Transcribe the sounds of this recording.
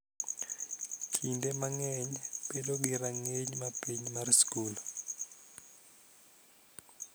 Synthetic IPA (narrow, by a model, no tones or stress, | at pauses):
kʰindemaŋɛɲpedoɡiɾaŋeɲmapiɲmarskul